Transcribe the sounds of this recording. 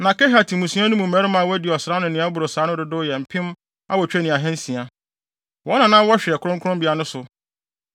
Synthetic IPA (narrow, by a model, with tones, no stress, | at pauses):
nã˨kɛ˦ɦa˨tʰi˨mũ˨sũ˦ã˦nũ˦mũ˨m̩˨ɛ˨˦ɾɪ˦mã˨wɛ˦dɪ˨ɔ˨sɾa˦nʊ̃˨nɪ̃˨˦a˦bʊ˨ɾo˨saː˨˦nʊ̃˦dʊ˨dʊ˦jɛ˨m̩˨pʰɪ̃˦m | a̰˦wɔ˨t͡ɕᶣe˦nɪ̃˨a˨ɦɛ̃˦n̩˦sĩ˨a˨ | wɔ˦nã˨nãː˦wɔ˦ɕᶣɪ˨ɛ˨kʰʊ˦ɾʊ̃˦ŋkʰʊ˦ɾʊ̃˦mbi˨a˦nʊ̃˦sʊ˨